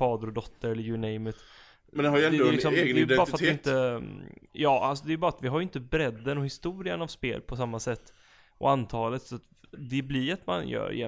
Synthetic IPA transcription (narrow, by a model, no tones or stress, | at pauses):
fɑːd̪əɾɔd̪ɔt̪ʰːəɾɛlːəɾjʉnɛɪmət̪ | mɛnd̪ɛhaɾjɛnɛɪksɔmeɛj̪ɛɑɾafat̪ɛɪɪnt̪ə | jɑːʔals̬ɔd̪ɛjʏbɑːɾat̪vɪɦaɾjʏɪnt̪əbɾɛd̪ːənɔhɪst̪uːɾɪənavspeːlpʰɔsamːasɛt̪ː | ɔ̰ant̪ʰɑːlət̪sat̪ | d̪ɛblɪɾat̪ma̰njœ̰ːɾ̰jɛ̰